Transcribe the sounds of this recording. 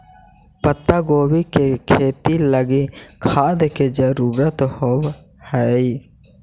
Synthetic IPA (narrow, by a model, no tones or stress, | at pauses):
pət̪ːaɡoːbikekʰeːt̪iləɡikʰad̪ked͡ʒəɾuːɾət̪how | həj